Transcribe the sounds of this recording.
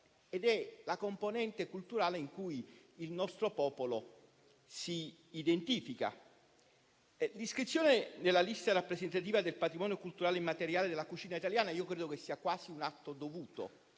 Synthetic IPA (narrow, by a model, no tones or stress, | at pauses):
ed̪ɛlakomponɛnt̪ekult̪uɾaːleiŋkujːlnɔst̪ɾopɔːpolo | siː | d̪ent̪iːfika̰ | liskɾit̪sːjoːnenelːalist̪aɾapːɾesent̪at̪̬iːvad̪elpat̪ɾimɔːnjokult̪uɾaːleimːat̪eɾjaːled̪elakut͡ʃiːnait̪aljaːnaiːokɾeːd̪okesːiːakwaːsiunat̪ːod̪ovuːt̪o̰